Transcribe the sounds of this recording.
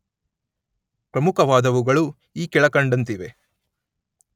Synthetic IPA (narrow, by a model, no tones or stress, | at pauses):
pɾɐmukɐʋaːd̪ɐʋuɡɐɭu | iːkɛɭɐkɐɳɖɐnt̪iʋe̞